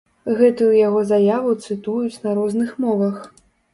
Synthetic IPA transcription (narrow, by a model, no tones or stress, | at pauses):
ɣɛt̪ujujaɣɔzajavut̪sɨt̪ujut͡sʲnɐɾɔznɨxmɔvɐx